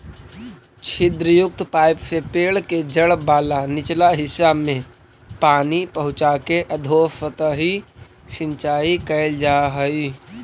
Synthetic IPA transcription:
t͡ʃʰɪd̪ɾəjʊk̚t̪paːɪpsepeːɭked͡ʒəɽbaːlanɪt͡ʃlaɦɪsamẽ | paːnipəɦʊ̃t͡ʃakeʔəd̪ʱoːsət̪əɦi | sɪ̃nt͡ʃaːikəld͡ʒaːɦəi

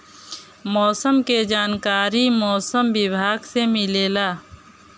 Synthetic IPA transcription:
mɔːsəmked͡ʒaːnkaːɾimɔːsəmbɪbʱaːɡsemɪleːlaː

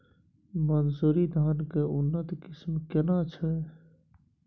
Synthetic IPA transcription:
mənsuɾid̪ʱankeunːət̪kismkenat͡ʃʰɛ

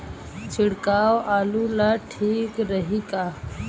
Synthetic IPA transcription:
t͡ʃʰɪɽkaːwaːluːlaːʈʰiːkɾəɦiːkaː

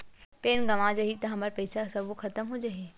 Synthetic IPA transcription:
peːnɡɐʋad͡ʒɐɦit̪ɐɦɐmɐɾpɐɪsasɐbokʰɐt̪əmɦod͡ʒaɦe

